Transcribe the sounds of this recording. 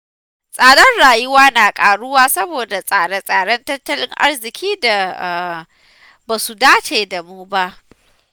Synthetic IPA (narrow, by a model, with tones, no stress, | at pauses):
sʼaː˨ɽɐ˦nɽaː˨jʊ˦waː˦naː˨kʼaː˨ɽʊ˦waː˦sɐ˦boː˨da˨sʼaː˨ɽɐ˦sʼaː˨ɽɐ˦ntɐ˦tːɐ˦lɪ˦ŋʔa̰˦rzɪ˨kʲʰiː˦da˨ | baː˨su˨daː˦t͡ʃeː˨da˨muː˦ba˦ʔ